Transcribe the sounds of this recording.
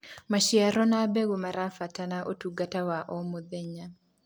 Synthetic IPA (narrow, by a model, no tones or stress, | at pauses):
maʃiaɾɔnabeɡomaɾafatanaʔotuɡatawaʔɔmod̪ɛɲa